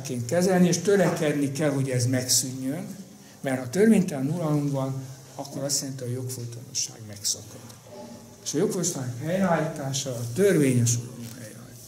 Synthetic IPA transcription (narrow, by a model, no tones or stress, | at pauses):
keːnt̪kɛzɛlnieːʃt̪ø̞ɾɛkɛd̪nikɛlɦo̞ɟɛzmɛksyɲːøn | mɛrt̪hɒt̪ørveːɲt̪ɛnulɒlomvɒn | ɒkːo̞ɾɒst̪jɛlɛnt̪iɒjo̞kfolt̪ono̰ʃa̰ːɡmɛksɒkɒd̪ | eːʃɒjo̞kfot̪anakhɛjɾɛalːit̪aːʃɒːt̪ørveːɲeʃ̬ulo̰mo̰hɛjra̰l